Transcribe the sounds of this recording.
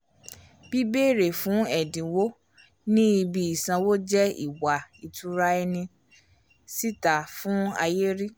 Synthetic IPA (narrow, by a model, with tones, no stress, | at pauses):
b̥i˦beː˦˨ɾe˨fũ˨˦ɛ˨dĩ˨wo˦ | nĩ˦i˧bi˧i˨sã˧wo˦d͡ʒɛ˦ḭ˦˨wa˨i˨tʰu˨˦ɾa˦ɛ˧nĩ˧ | si˦ta˨fũ˨˦a̰˧je˦ɾi˦